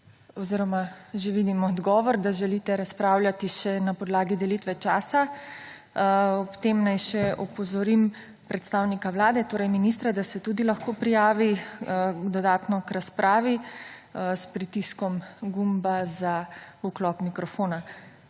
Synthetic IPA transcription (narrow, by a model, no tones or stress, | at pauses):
ɔziɾɔma | ʒeʋid̪imɔːd̪ɡɔːʋɔɾd̪aʒɛlit̪ɛɾaspɾaːwljat̪iʃɛnapɔd̪laːɡid̪ɛlit̪ʋɛt͡ʃaːsa | ɔpt̪emnajʃɛʔɔpɔzɔɾim | pɾɛt̪st̪aːwnikawlaːd̪ɛt̪oːɾɛjminist̪ɾad̪asɛt̪ud̪ilaxkoːpɾijaːʋi | d̪ɔd̪aːt̪nɔkɾaspɾʔaːʋi | spɾit̪iskɔmɡumbazauklɔpmikɾɔfoːna